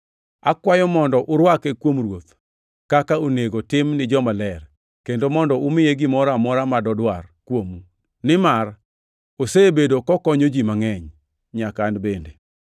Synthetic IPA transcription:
akwajɔmɔndɔʔʊɾwakekwomrwot̪ | kakaoneɡotɪmnɪd͡ʒɔmalɛr | kendomɔndɔʊmɪjeɡɪmɔɾamɔɾamadɔdwarkwomu | nɪmar | osebedokɔkɔɲod͡ʒimaŋɛɲ | ɲakanbende

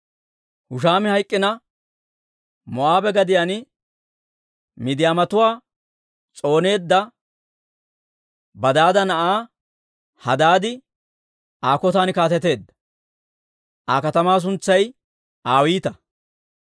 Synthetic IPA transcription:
hʊʃ̬aːmɪhɐjkʼːɪnɐ | mɔʔaːbɛɡɐd̪ɪjan | mɪd̪ɪjaːmɐt̪ʊwaː | t͡sʼo̞ːne̞ːd̪ːɐ | bɐd̪aːd̪ɐnɐʔaː | hɐ̰d̪aːd̪ɪ | aːkɔt̪aːnɪkaːt̪ɛt̪e̞ːd̪ːɐ̥ | ʔaːkɐt̪ɐmaːs̬ʊnt͡sːɐj | aːwiːt̪ɐ

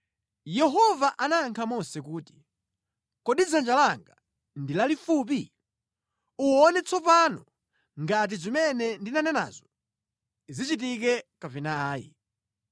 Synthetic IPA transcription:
jɛɦɔvaʔanaːŋkʰamɔsɛkuːti̥ | kɔɗid͡zand͡ʒalaŋɡa | ndilalifup̬i | uɔnɛt͡sɔp̬anɔ | ŋɡat̬izimɛnɛndinanɛna̰zɔ | zit͡ʃit̬ikɛkavinaːjḭ

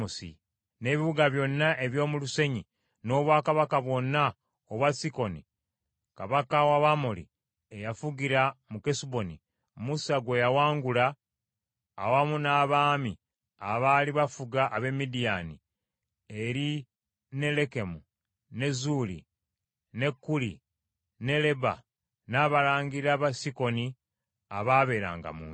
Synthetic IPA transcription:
usḭ | ne̞ːβiβuɡaβjo̞nːaʔe̞βjo̞ːmuluse̞ɲi | no̞ːβwaːkaβakaβwo̞nːa | oβwasiko̞nḭ | kaβakawaβamolḭ | ejafuɡiɾamukesubo̞ni | musaɡwe̞jawaːŋɡulaː | wamunaːβaːmi | aβaliβafuɡaʔːβe̞mːidijani | eɾi | ne̞le̞ke̞mu | ne̞zulḭ | ne̞kːulḭ | ne̞le̞ba̰ | naːβalaːŋɡiɾaβasiko̞ni | aβaβe̞ːɾa̰ːŋɡa̰mṵːn

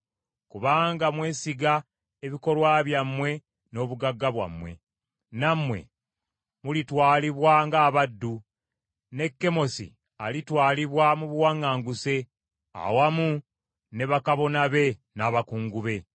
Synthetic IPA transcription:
kuβaːŋɡamwe̞ːsiɡa | e̞βiko̞lwaβjamːwe̞ | no̞ːβuɡaɡːaβwa̰mwe̞̰ | namwe̞̰ | mulitwaːliβwaŋɡaːβadːu | ne̞kːe̞mo̞sḭ | alitwaːliβwamuβuwaŋːaːŋɡuse̞ | a̰wamu | ne̞βakaβo̞naβe̞naːβakuːŋɡuβe̞

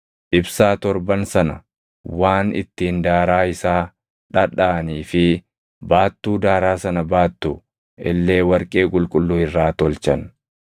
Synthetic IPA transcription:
ʔɪbsaːt̪ɔɾbɐnsɐnɐ̰ | waːnɪ̰t̪ːiːnd̪aːɾaːɪsaː | ᶑɐᶑaːniːfɪ | baːt̪ːuːd̪aːɾaːsɐnɐbaːt̪ːu | ɪ̰lːe̞ːwɐɾkʼe̞ːkʼʊlkʼʊlːʊːhɪrːaːt̪ɔlt͡ʃɐn

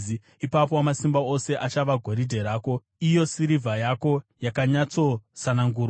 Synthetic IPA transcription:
i | ipap̬oamasimbao̞se̞ʔat͡ʃaʋaɡʱo̞ɾidʱe̞ɾaːko̞ | ijo̞siɾivʱajako̞jakaɲat͡so̞sanaŋɡuːra

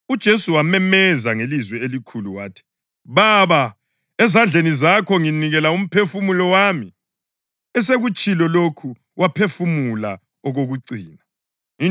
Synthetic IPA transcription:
ud̥ʒ̥ʱesuwamɛmɛzaŋelizwɛelikʰuluwaːtʰi̥ | βaβa | ɛzand͡ɮʱenizakʰɔŋiniɣɛlaum̩pʰefumulɔwami | ɛs̬eɣut͡ʃʼilɔlokʰu | wapʰefumula | ɔɣoɣuǀiːna

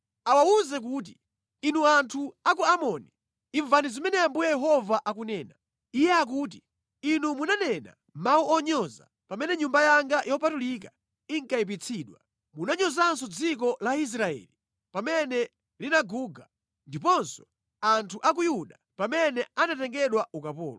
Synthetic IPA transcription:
awauzɛk̬uːt̬i | inuantʰuakuamɔni | iɱvanizimɛnɛambujɛjɛɦɔvaʔakunɛːna | ijɛak̬uːt̬i | inumunanɛna̰ | mauɔɲɔza̰ | pamɛnɛɲumbajaŋɡajʔɔpatulik̬a | iŋkaip̬it͡sʰiɗwa | munaɲɔzansɔd͡zik̬ɔlais̬ɾaɛ̰ːli | pamɛnɛ | linaɡuːɡa | ndipɔnsɔ̥ | antʰuʔak̬ujuɗa | pamɛnɛanatɛŋɡɛɗwaukapɔ̰ːlɔ

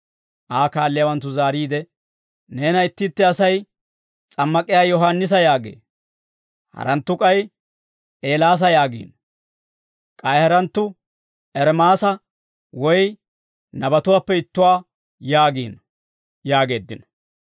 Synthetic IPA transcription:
ʔaːkaːlːɪjaːwɐnt̪ːʊzaːɾiːd̪ɛ | ne̞ːnɐɪt̪ːɪt̪ːɪɐsɐj | t͡sʼɐmːɐkʼɪjaːjɔɦanːɪs̬ɐjaːɡḛː | hɐ̰ɾɐnt̪ːʊkʼɐj | e̞ːlaːs̬ɐjaːɡḭːn | kʼɐjhɐɾɐnt̪ːʊ | ɛɾmaːsɐ | wɔj | nɐbɐt̪ʊwaːpːɛɪt̪ːʊwaː | jaːɡiːn | jaːɡe̞ːd̪ːɪnɐ

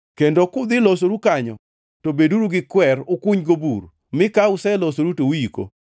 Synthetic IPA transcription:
kendokʊd̪ɪlos̬oɾukaɲɔ̰ | tobeduɾuɡɪkwɛɾʊkuɲɡobur | mɪkaʊsɛlosoɾutowiko̰

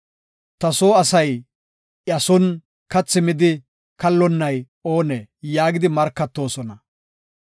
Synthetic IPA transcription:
t̪ɐsoːɐsɐj | ʔjɐsɔn | kɐt͡sːɪmɪd̪ɪ | kɐlːɔnːɐj | o̞ːnejaːɡɪd̪ɪmɐɾkːɐt̪ːo̞ːsɔnɐ

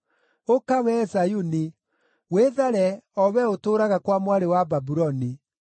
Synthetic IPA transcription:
okawɛsajuni | weðaɾɛɔwɛotoːɾaɣakwamwaɾewababuɾɔni

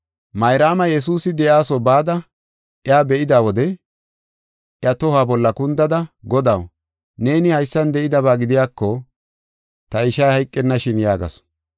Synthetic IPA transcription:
mɐjɾaːmɐjɛs̬uːsɪd̪ɛʔjaːsɔbaːd̪ɐ | ʔɪaːbɛʔɪd̪aːwɔd̪ɛ | ʔjɐt̪ɔhaːbɔlːɐkʊnd̪ɐd̪ɐɡɔd̪ɐw | ne̞ːnɪhɐjsːɐnd̪ɛɪd̪ɐβaːɡɪd̪ɪjaːkːɔ | t̪ɐɪʃɐjhɐjkʼːɛnːɐʃɪnjaːɡɐ̰s

